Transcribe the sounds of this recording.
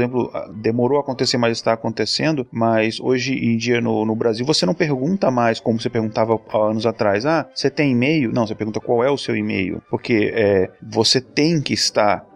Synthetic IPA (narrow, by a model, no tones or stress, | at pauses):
zẽmplʊ̰d̪emoɾowakõnt̪eseɾmazɪst̪aːkõnt̪esẽnd̪ʊmɐzoʒɪʔẽd͡ʒiɐnʊnʊbɾaziwvosenɐ̃w̃peɾɡũnt̪ɐmajskõmʊsepeɾɡũt̪avɐaɐ̃nʊzat̪ɾajzaset̪ẽj̃imejʊnɐ̃w̃sepeɾɡũt̪ɐkwawɛʊsewimḛjʊ̰poɾkeɛvoset̪ẽj̃kɪist̪aɾ